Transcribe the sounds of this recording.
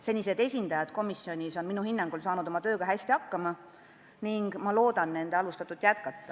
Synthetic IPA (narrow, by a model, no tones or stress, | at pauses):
se̞nʲːise̞d̪̥e̞sʲind̪̥ɑjɑd̪̥ko̞misːio̞nʲiso̞nminuhinːɑŋɡ̥ulsɑːnud̪̥omɑt̪ø̞ːɡ̥ɑɦæsʲt̪iɑkːɑmɑ | niŋɡ̥mɑlo̞ːd̪̥ɑnːe̞nd̪eɑlust̪ɑt̪ːˑud̪̥jæt̪kɑt̪ːɑ